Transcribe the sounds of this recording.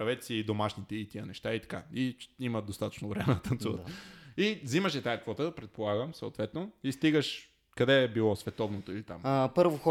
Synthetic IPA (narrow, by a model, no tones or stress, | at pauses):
ɾɐvɛt̪siːd̪omaʃnit̪ɛit̪iənɛʃt̪ait̪ɐ̥kaiiməd̪ost̪at̪ə̥t͡ʃnovɾɛmɛd̪t̪ɐnt̪suvə̰t̪iziməʃɛt̪aikvɔt̪əd̪ɐpɾɛt̪̚polˠaɡəmsə̰o̰t̪vɛt̪noist̪iɡəʃ | kɐd̪ɛːbilˠɔsvɛt̪ɔvnot̪oilit̪a̰mpɤɾvox